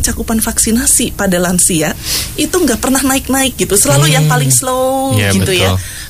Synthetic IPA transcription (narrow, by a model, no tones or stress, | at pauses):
t͡ʃakupanfaksinasipadalansiait̪uŋɡaʔpərnahnaɪk̚naɪk̚ɡit̪usəlalujaŋpalɪŋslowɡit̪uja